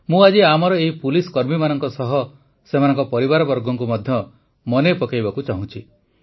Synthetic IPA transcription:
mũad͡ʒiamɔɾɔeɦipuliskɔɾmimanɔŋkɔsɔɦɔ | semanɔŋkɔpɔɾibaɾɔbɔɾɡɔŋkumɔd̪ʱjɔ | mɔnepɔkajbakut͡ʃaɦũt͡ʃʰi

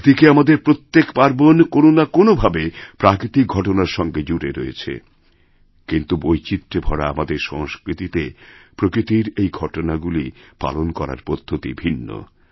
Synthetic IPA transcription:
d̪ikeamad̪eɾpɾot̪ːekpaɾbonkononakonobʱabepɾakɾit̪ik̚ɡʱɔʈonaɾʃɔŋɡed͡ʑuɾeɾojḛt͡ɕʰḛ | kint̪ubojt͡ɕit̪ːɾebʱɔɽa̰a̰mad̪eɾʃɔŋskɾit̪it̪epɾokɾit̪iɾejɡʱɔʈonaɡulipa̰lonkɔɾa̰ɾpod̪ʱːot̪ḭbʱinːo̰

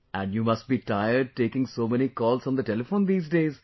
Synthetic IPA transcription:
æ̃ɳɖjuːmʌsʈ̚biːʈaɪəɾɖ̚ʈeːkɪ̃ŋsoːmɛñikɔːlzɔ̃nd̪əʈɛlɪfõːnd̪iːzɖeːz

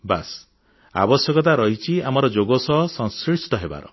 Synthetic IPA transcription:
bas | a̰bɔsjɔkɔt̪̬aɾɔɦit͡ʃʰiamɔɾɔd͡ʒoɡɔsɔɦɔsɔ̃ŋskɾisʈ̪ɔɦeba̰ɾɔ̰

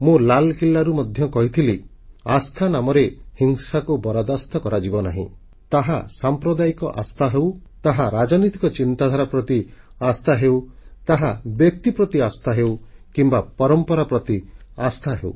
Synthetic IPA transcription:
mũlalkilːaɾumɔd̪ʱjɔkɔɦit̪ʰili | ast̪ʰanamɔɾehiŋsakubɔɾad̪ast̪ɔkɔɾad͡ʒibɔnaɦḭ̃ | t̪aɦasampɾɔd̪aikɔ̰ʔast̪ʰaɦewt̪aɦaɾad͡ʒɔnit̪ikɔt͡ʃint̪ad̪ʱaɾapɾɔt̪i | ast̪ʰaɦewt̪aɦabjek̚t̪ipɾɔt̪iast̪ʰaɦewkimbapɔɾɔmpɔɾapɾɔt̪iast̪ʰaɦew

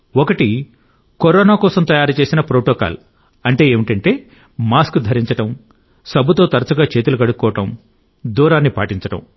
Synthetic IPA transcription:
ɔkɐʈi | kɔɾɔːnaːkɔːsɐmt̪ɐjaːɾut͡ʃe̞ːsinɐpɾoːʈɔːka̰ːl | ɐɳʈe̞ːeːmiʈɐɳʈe̞ː | maːskud̪ʱɐɾiɲt͡ʃɐʈɐm | sɐbʱut̪o̞ːt̪ɐɾɐt͡ʃuɡaːt͡ʃe̞ːt̪ulukɐɽukːɔːʋɐʈɐm | d̪uːɾaːnːipa̰ːʈiɲt͡ʃɐʈɐ̰m

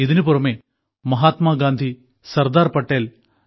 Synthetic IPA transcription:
iðinɨpuɾrɐmeː | mɐɦaːt̪maːɡaːnd̪ʱi | sɐrd̪aːrpɐʈːeːl

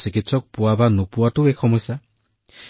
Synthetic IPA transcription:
sikit̪sɔk̚puabanupuaʈuekʰɔmɔsa

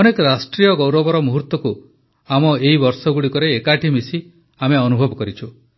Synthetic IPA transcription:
ɔnekɔɾasʈɾijɔɡɔwɾɔbɔɾɔmuɦuɾt̪ːɔku | amɔeɦibɔɾsɔɡuɽikɔɾeːkaʈʰimisi | ameɔnubʱɔbɔkɔɾit͡ʃʰu

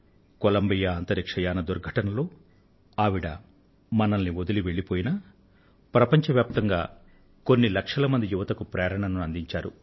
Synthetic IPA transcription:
kolɐmbijaːnt̪ɐɾikʂɐjaːnɐd̪uɾɡʱɐʈɐnɐlo̞ː | aːʋiɽɐ̰ | mɐnɐnːiod̪uliʋe̞ɭːipoːjinɐ | pɾɐpɐɲt͡ʃɐʋjaːp̚t̪ɐŋɡaː | konːilɐkʂɐlɐmɐnd̪ijuʋɐt̪ɐkupɾɛːɾɐɳɐnuɐnd̪iɲt͡ʃaːɾu

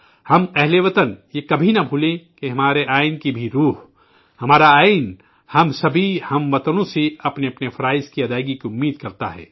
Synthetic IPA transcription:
hɐmpɛɦleʋɐt̪ənjekɐbʱinɐbʱuːlẽkeɦɐmaːɾeʔaːɪnkibʱiɾuːɦ | hɐmaːɾaaːɪn | hɐmsɐbʱihɐmʋɐt̪ənõseɐpneɐpnefɐɾaːɪskiɐd̪aːɪɡikiʊmːiːd̪̚kɐɾt̪a̰ɦɛ̰ː

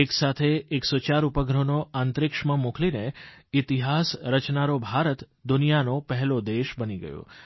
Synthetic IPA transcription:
eksat̪ʰeːksot͡ʃaɾupəɡɾonoãnt̪ɾɪkʃmãmuklineɪt̪iɦasɾət͡ʃnaɾobʱaɾət̪ | d̪ʊnijanopəɦɛlod̪eʃbəniɡə̰jo̰

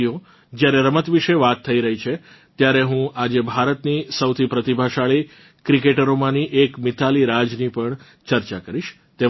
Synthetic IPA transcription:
io | d͡ʒjaɾeɾəmət̪ʋiʃeʋat̪ʰːəiɾəɦit͡ʃʰe | t̪jaɾeɦũʔad͡ʒebʱaɾət̪nisəwt̪ʰipɾət̪ibʱaʃaɭi | kɾikeʈəɾomãniʔekmɪt̪ʰaliɾad͡ʒnipəɳ | t͡ʃəɾt͡ʃakəɾiʃ | t̪e

